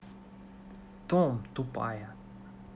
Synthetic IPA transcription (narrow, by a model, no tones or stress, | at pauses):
t̪omt̪upa̰ja